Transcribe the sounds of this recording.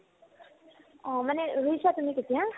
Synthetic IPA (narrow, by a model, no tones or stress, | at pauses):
maneɾuisat̪umiket̪iɦã